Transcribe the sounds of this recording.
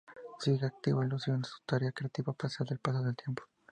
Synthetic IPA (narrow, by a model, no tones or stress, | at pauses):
siɣeak̚t̪iβoilusjonsu̥t̪aɾeakɾeat̪iβapaɾsjald̪elpas̬oðelt̪jempo̥